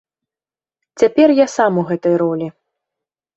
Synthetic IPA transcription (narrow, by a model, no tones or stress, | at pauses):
t͡sʲapʲɛrjasamuɣɛt̪ɐjɾɔlʲi